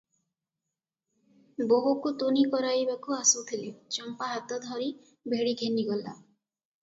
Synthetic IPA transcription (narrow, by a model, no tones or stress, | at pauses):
boɦukut̪onikɔɾajbakuasut̪ʰilet͡ʃɔmpaɦat̪ɔd̪ʱɔɾi | bʱeɽiɡʱeniɡɔla̰